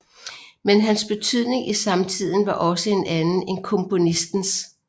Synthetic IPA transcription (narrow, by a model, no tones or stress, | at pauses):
menɦænsb̥e̝t͡sʰyð̞̰ˠne̝ŋʔisɑ̈mt͡sʰið̰ˠn̩ʋɑ̈ʔɒ̽səe̝nʔænn̩e̝nkʰɔ̽mpʰo̝nisd̥n̩s